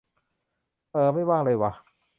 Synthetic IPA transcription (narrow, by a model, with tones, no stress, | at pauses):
ʔɤː˧ma˥˩jwaː˥˩ŋlɤː˧jwa˧˩